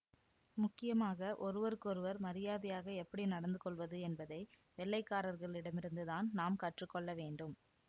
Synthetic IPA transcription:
mʊkːɪjɐmaːɣɐʔɔɾɯʋɐɾɯkːɔɾɯʋɐɾmɐɾɪjaːðɪjaːɣɐɛpːɐɽinɐɽɐnd̪ɯkɔɭʋɐðɯɛnbɐðɐɪ | ʋɛɭːɐɪkːaːɾɐɾɣɐɭɪɽɐmɪɾɯnd̪ɯðaːnnaːmkɐʈrɯkːɔɭːɐʋeːɳɖɯm

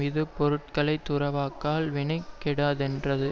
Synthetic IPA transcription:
ɪðɯpɔɾɯʈ̚kɐɭɐɪt̪ːʊɾɐʋaːkːaːlʋɪɳɐɪkːɛɽaːðɛndrɐðɯ

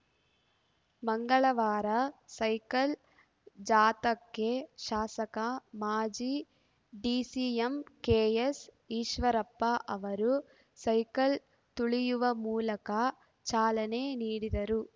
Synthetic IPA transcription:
mɐŋɡɐɭɐʋaːɾɐsɐjkɐl | d͡ʒaːt̪ɐkːeʃaːsɐkɐmaːd͡ʒiː | ɖiːsiːɐmkeːjes | iːʃʋɐɾɐpːɐʔɐʋɐɾu | sɐjkɐl | t̪uɭijuʋɐmuːlɐkɐ | t͡ʃaːlɐneniːɽid̪ɐɾu

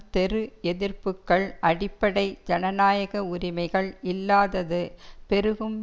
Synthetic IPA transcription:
t̪ɛɾɯɛðɪrpɯkːɐɭʔɐɽɪpːɐɽɐɪd͡ʒɐnɐnaːjɐɣɐʊɾɪmɐɪɣɐɭɪlːaːðɐðɯpɛɾɯɣɯm

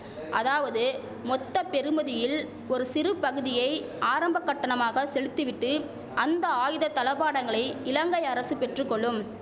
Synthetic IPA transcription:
ʔɐðaːʋɐðɯ | mɔt̪ːɐpɛɾɯmɐðɪjɪl | ɔɾɯsɪɾɯpɐɣɯðɪjɐɪʔaːɾɐmbɐkːɐʈːɐɳɐmaːɣɐsɛlɯt̪ːɯʋɪʈːɯ | ʔɐnd̪ɐaːjɯðɐt̪ɐlɐpaːɽɐŋɡɐɭɐɪɪlɐŋɡɐɪɐɾɐsɯpɛʈrɯkːɔɭːɯm

